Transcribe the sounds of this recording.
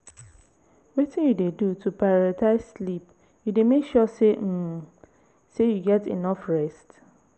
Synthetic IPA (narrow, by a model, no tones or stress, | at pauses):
wetʰĩnjudedutʰupʰaatʰaɪsslip | judemekʃɔsem̩ | sejuɡɛtḛnɔfɹɛst